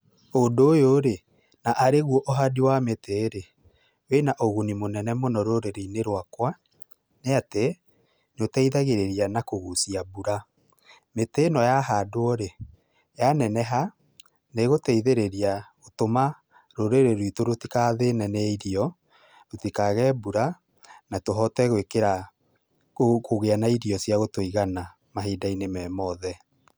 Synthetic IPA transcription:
ondojoɾe | naʔaɾeɣwɔʔɔɦadiwameteːɾe | wenaʔoɣunimonɛnɛmonɔɾoɾeɾineɾowakwa | neate | notɛiðaɣeɾeɾianakoɣusiabuɾa | metenɔjaɦadoɔɾe | janɛnɛɦa | neɣotɛiðeɾeɾia | otoma | ɾoɾeɾeɾitoɾotikaðenɛnɛɛiɾiɔ | ɾotikaɣɛbuɾa | natoɦɔtɛɣwekeɾa | okoɣeanaiɾiɔsjaɣotoiɣana | maɦeːdainemɛːmɔðɛ

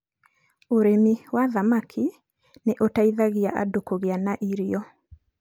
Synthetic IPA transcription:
oɾemiwaðamakʰi | neʔotaiðaɣiaʔa̰dokoɣeanaʔiɾiɔ

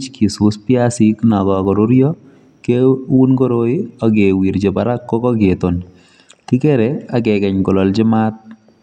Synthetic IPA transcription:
t͡ʃkʰisuspjasiknakɔkɔɾoɾjɔ | kewunkɔɾoɪak̬ewiɾt͡ʃepaɾakːɔkɔketon | tikɛɾɛakɛkɛɲkɔlɔlt͡ʃɪmat̚

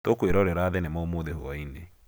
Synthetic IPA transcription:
tokweɾɔɾeɾaːðɛnemaomoðeho̰ɔine

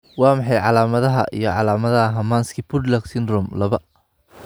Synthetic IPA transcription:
wɑːmɑħɑjʕɑlaːmɐðɐɦɐ̰ʔḭjɞʕɑlaːmɐðɐɦɐɦɐmaːnskʰipʰʊd̪laksɪnd̪rɔmlɐβɐ

